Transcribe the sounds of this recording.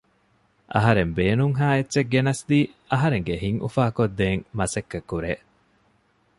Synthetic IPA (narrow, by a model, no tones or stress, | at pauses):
ʔɐ̰ɦɐɾembeːnuŋɦaːetːʃeɡɡenɐsd̪iː | ʔɐɦɐɾeŋɡehiŋʔṵfaːkod̪ːeːŋmɐsɐkːekːuɾeː